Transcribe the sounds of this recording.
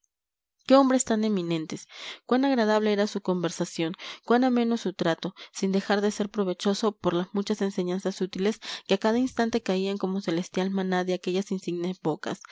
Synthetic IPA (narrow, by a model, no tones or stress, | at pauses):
ke̞o̞mbɾe̞st̪ane̞mĩnẽ̞nt̪eskwanaɣɾað̞aβ̞le̞eɾasuko̞mbe̞ɾsasjo̞ŋkwanamẽ̞no̞sut̪ɾat̪o̞sind̪e̞xaɾðe̞se̞ɾpɾo̞βe̞t͡ʃo̞sopo̞ɾlazmut͡ʃase̞nse̞ɲansasut̪ile̞skeakaðainst̪ant̪e̞kaiaŋko̞mo̞se̞le̞st̪jalmãnaðeake̞ʝasinsiɡnezbo̞ka̰s